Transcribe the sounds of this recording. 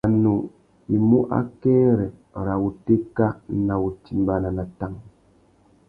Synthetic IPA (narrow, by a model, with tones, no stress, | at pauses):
a˨nu˨ | i˨mu˦ʔa̰˦kɛ˦ɾɛ˨ɾa˨wu˨te˦ka˦n̩˦na˨wu˨ti˨m˦ba˨na˨na˨ta˦ŋ